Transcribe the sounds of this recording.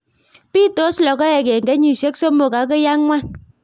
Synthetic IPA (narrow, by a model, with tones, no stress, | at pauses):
pi˦to˦slɔ˨kɔ˦ɛ˨ke˨ŋɡɛ˨˦ɲi˨ʃe˦kso˦mo˨ka˨˦k̬ɔ˦ja˦ŋŋʷwa˦˨n